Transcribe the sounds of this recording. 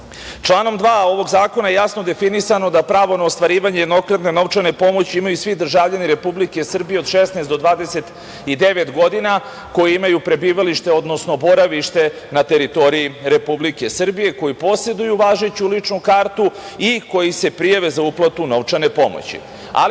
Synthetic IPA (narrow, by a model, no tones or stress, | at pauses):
t͡ʃlˠaːno̞md̪ʋaːo̞ʋo̞ɡzaːko̞najejasno̞d̪e̞finisano̞d̪apɾaːʋo̞naost̪ʋaɾiːʋaɲejed̪no̞kɾad̪ne̞no̞ʋt͡ʂane̞po̞mo̞t͡ɕiimajusʋid̪r̩ʒaːvʎaniɾe̞publike̞sr̩bije̞od̪ʃesnaːst̪d̪o̞d̪ʋaːd̪ese̞t̪ | id̪e̞ʋe̞t̪ɡo̞d̪ina | ko̞jiimajupɾe̞biːʋaliʃt̪e̞o̞d̪no̞sno̞bo̞ɾaʋiʃt̪e̞ | nat̪e̞ɾit̪o̞ɾijiɾe̞publike̞sr̩bije̞ko̞jipo̞se̞d̪ujuʋaːʒet͡ɕulit͡ʂnukaɾt̪u | iko̞jise̞pɾijaʋe̞zauplˠat̪uno̞ʋt͡ʂane̞po̞̰mo̰t͡ɕḭ | a̰l